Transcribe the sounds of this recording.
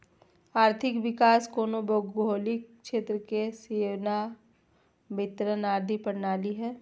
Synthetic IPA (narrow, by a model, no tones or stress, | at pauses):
aːɾt̪ʰɪkʋɪkaːskoːnoboɡɦoːlikʃeːt̪ɾəkeseːʋna | bɪt̪ɾənaːd̪ʱipəɽnaːliɦɛː